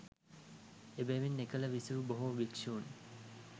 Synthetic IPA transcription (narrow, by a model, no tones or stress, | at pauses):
ebæʋinːekələʋisuʋuboɦoʋikʂuːn